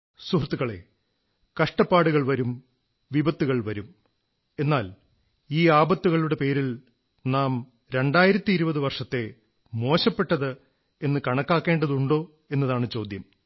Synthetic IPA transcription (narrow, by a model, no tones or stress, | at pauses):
suɦrt̪ːuɣɐɭe̞̰ | kɐʂʈɐpːaːɽuɣɐɭʋɐɾum | ʋibɐt̪ːuɣɐɭʋɐɾum | e̞nːaːl | iːaːbɐt̪ːuɣɐɭuɽe̞pe̞ːɾil | naːm | ɾe̞ɳɖaːjiɾɐt̪ːiiɾubɐðɨʋɐrʂɐt̪ːe̞ | mo̞ːɕɐpːe̞ʈːɐðɨ | e̞nːɨkɐɳɐkːaːkːe̞ːɳɖɐðuɳɖo̞ː | e̞nːɐðaːɳɨt͡ɕo̞ːd̪ʱjɐm